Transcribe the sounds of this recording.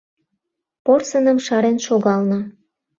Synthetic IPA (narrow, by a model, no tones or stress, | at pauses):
porsənəmʃɑɾenʃoɣɑlnɤ̆